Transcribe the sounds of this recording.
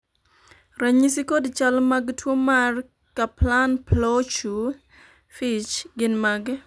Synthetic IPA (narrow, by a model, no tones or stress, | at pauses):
raɲisikodt͡ʃalmaɡtwomar | kaplanplɔt͡ʃu | fit͡ʃɡɪnmaɡ